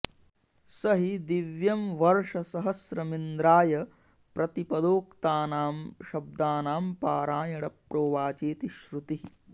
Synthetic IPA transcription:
sɐɦid̪iʋjɐmʋɐɾʂɐsɐɦɐsɾɐmind̪ɾaːjɐ | pɾɐt̪ipɐd̪oːkt̪aːnaːmʃɐb̚d̪aːnaːmpaːɾaːjɐɽɐpɾoːʋaːt͡ʃeːt̪iʃɾut̪ii

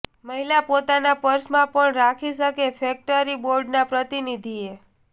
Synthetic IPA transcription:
məɦilapot̪anapəɾsmãpəɳɾakʰiʃəkefek̚ʈəɾiboɾɖnapɾət̪inid̪ʱie

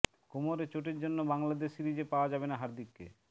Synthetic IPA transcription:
komoɾet͡ɕoʈ̬eɾd͡ʑonːobaŋlad̪eʃɾid͡ʑepaoad͡ʑabenaɦaɾd̪ikːḛ

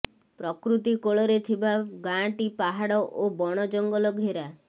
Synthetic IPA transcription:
pɾɔkɾut̪ikoɭɔɾet̪ʰibaɡãʈipaɦaɽɔʔobɔɽ̃ɔd͡ʒɔŋɡɔlɔɡʱeɾa

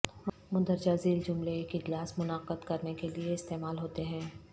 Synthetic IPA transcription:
ɦ | mʊd̪əɾd͡ʒaːziːld͡ʒʊmleeːkɪd͡ʒlaːsmʊnaːqəd̪kɐɾnekelieɪst̪eːmaːlɦoːt̪eɦɛ̃ː

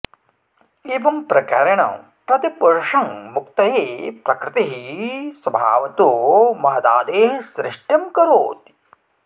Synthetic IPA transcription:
eːʋɐmpɾɐkaɾɐɳɐ̰m | pɾɐt̪ipuɾʂɐŋmuk̚t̪ɐɦeːpɾɐkɾɪt̪iɦiswɐbʱa̰ːʋɐt̪umɐɦɐd̪aːd̪eːɦsɾɪʂʈjɐmkɐɾoːt̪i

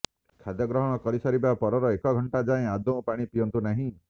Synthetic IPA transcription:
kʰad̪jɔɡɾɔɦɔɽ̃ɔkɔɾisaɾibapɔɾɔɾɔekɔɡʱɔɳʈad͡ʒaẽad̪oũpaɽ̃ipijɔnt̪unaɦĩ

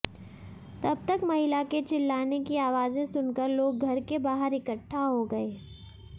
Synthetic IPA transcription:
t̪ɐbt̪ɐkmɐɦɪlaket͡ʃɪlːaːnekiaːʋaːzẽsʊnkəɾloːɡ̚ɡʱɐɾkebaːɦəɾɪkəʈʰːaɦoɡɐeː

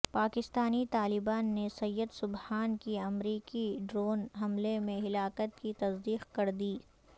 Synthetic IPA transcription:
paːkɪst̪aːnit̪aːlɪbaːnːesɐjːəd̪sʊbhaːnkiɐmɾiːkiɖɾoːnɦɐmlemẽɦɪlaːkət̪kit̪ɐsd̪iːqkɐɾd̪iː

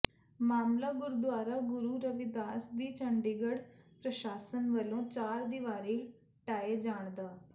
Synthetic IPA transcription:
maːmlaːɡʊɾd̪ʊaːɾaːɡʊɾuːɾəʋɪd̪aːsd̪iːt͡ʃʰəɳɖiːɡəɽpɾəʃaːsənʋəlõːt͡ʃaːɾd̪iʋaːɾiː | ʈaːeːd͡ʒaːɳd̪aː

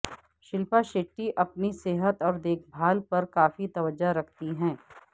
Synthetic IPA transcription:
ʃɪlpaʃeːʈːiʔɐpniseːɦət̪ɔːɾd̪eːkʰbʱaːlpɐɾkaːfit̪ɐʋəd͡ʒaɾɐkʰt̪iɦɛ̃ː

